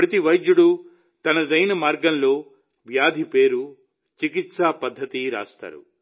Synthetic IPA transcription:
pɾɐt̪iʋɐjd͡ʒ̪juɽu | t̪ɐnɐd͡ʒɐjnɐmaːɾɡɐnlo̞ː | ʋjaːd̪ʱipe̞ːɾu | t͡ʃikit̪saːpɐd̪ʱːɐt̪iɾa̰ːst̪a̰ːɾṵ

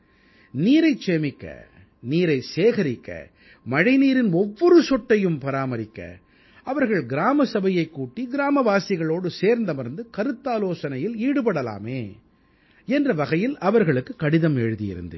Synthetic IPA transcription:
niːɾɐɪt͡ʃemɪkːɐ̰ | niːɾɐɪseːɣɐɾɪkːɐ̰ | mɐɻɐɪniːɾɪnɔʋːɔɾɯsɔʈːɐjɯmpɐɾaːmɐɾɪkːɐ̰ | ɐʋɐɾɣɐɭɡɪɾaːmɐsɐbɐjɐɪkːuːʈːiɡɪɾaːmɐʋaːsɪɣɐɭoːɽɯseːɾnd̪ɐmɪɾnd̪ɯkɐɾɯt̪ːaːloːsɐnɐjɪliːɽɯpɐɽɐla̰ːmeː | ɛndrɐʋɐɣɐjɪlɐʋɐɾɣɐɭɯkːɯkɐɽɪðɐmɛɻɯðɪjɪ̰ɾɯ̰nd̪ɯ̰

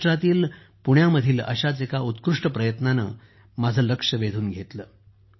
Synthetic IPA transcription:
ʈɾat̪iːl | puɽ̃jaməd̪ʱiːlə̰ɕat͡sekaut̪kɾuʂʈəpɾəjət̪nanə̰ | mad͡zʱəːləkʂəʋed̪ʱuːnɡʱet̪ləː

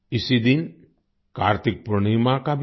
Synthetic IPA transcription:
isid̪in | kaɾt̪ik̚pɾuɳimakab

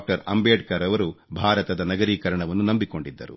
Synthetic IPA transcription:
k̚ʈɐɾɐ̰mbeːɖ̚kɐɾɐʋɐɾubʱaːɾɐt̪ɐd̪ɐnɐɡɐɾiːkɐɾɐɳɐʋɐnːunɐmbiko̞ɳɖid̪ːɐɾṵ

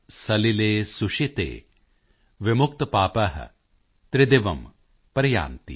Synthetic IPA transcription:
sɐlileːsuʂit̪ḛː | ʋɪmʊk̚t̪ɐpaːpɐɦɐ̰ | t̪ɾɪd̪eʋɐm | pɾɐja̰ːnt̪ḭ

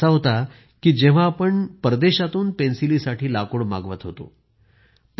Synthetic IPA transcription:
aɦot̪a | kiːd͡ʑeʋ̤aːpəɳpɾəd̪eɕat̪uːnpensilisaʈʰiːlakoɽma̰ɡʋət̪ɦot̪o̰ | p

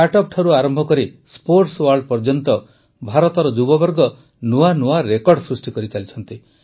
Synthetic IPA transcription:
aʈɔp̚ʈʰɔɾuaɾɔmbʱɔkɔɾi | spoɾʈswaɾɭɖpɔɾd͡ʒɔnt̪ɔ | bʱaɾɔt̪ɔɾɔd͡ʒubɔbɔɾɡɔ | nuanuaɾekɔɾɖsɾusʈikɔɾit͡ʃalit͡ʃʰɔnt̪i

